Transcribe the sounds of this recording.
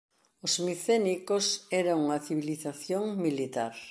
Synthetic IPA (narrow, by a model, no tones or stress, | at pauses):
ʊzmiθenikosɛɾaŋuŋɐθiβiliθaθjoŋmilit̪aɾ